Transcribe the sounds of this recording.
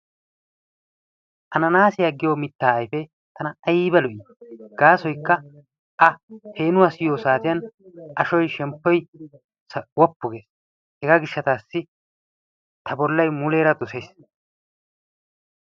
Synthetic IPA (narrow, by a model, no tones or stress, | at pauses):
ʔɐnɐnaːsɪjɐɡɪjoːmɪt̪ːaːɐjfɛ | t̪ʰɐnɐɐjiːbɐlɔʔiː | ɡ̥aːsɔjkːɐ | ʔɐhe̞ːnʊwasɪjoːsaːt̪ɪjɐnʔɐʃɔjʃɛmpːɔj | swɔpːʊɡeːs | hɛɡaːɡɪʃːɐt̪aːsːɪ | t̪ʰɐbɔlːɐjmʊle̞ːɾɐd̪ʊsejs